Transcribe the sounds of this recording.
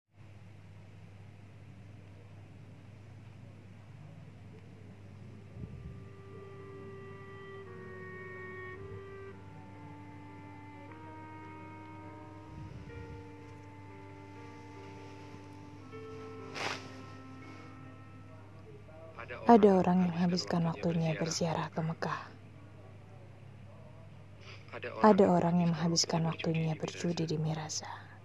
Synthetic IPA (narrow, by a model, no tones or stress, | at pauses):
ʔadaoɾʔaŋjaŋməŋɦabiskanwak̚t̪uɲabərziaɾʔahkəməkah | ʔadaoɾʔaŋjaŋməŋɦabiskanwak̚t̪uɲabərt͡ʃudidimiɾasḁ